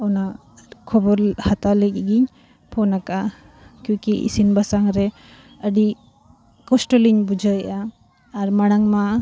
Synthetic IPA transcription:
ɔwna | kʰɔbɔɾhatalekɡiɲ | pʰɔnaka | kjukiḭsinbasaŋɾe | ədi | kɔsʈɔliŋbud͡ʒajaː | ɾmaɽaŋma

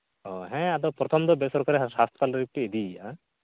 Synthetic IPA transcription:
ɔ̃ɦɛ̃ad̪ɔpɾɔt̪ʰɔmd̪ɔbɛsɔɾkaɾisast̪ʰɔpalɾiptiid̪ia

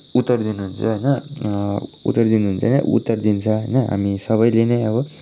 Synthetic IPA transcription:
ut̪ːʌrd̪inuɦunt͡sʰʌɦʌjnʌ | ṵt̪ːʌrd̪inuɦunt͡sʰʌɦnʌ̰ʔṵt̪ːʌrd̪int͡sʰʌɦʌjnʌɦa̰misʌβʌjleneʌβʌ

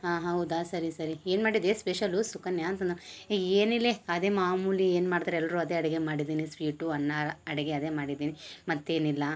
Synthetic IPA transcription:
aːɦaɦud̪aːsɐɾisɐɾieːnmaːɽid̪espeʃɐlusukɐnjaɐnt̪ɐnd̪ɐɾieːnilːeɐd̪eːmaːmuːlieːnmaːɽd̪aɾɛlːɐɾuɐd̪e̞ːɐɽɛɡe̞maːɽid̪iːnisʋiːʈuɐnːaɐɽɛɡeɐd̪eːmaːɽid̪iːnimɐt̪ːeːnilːɐ

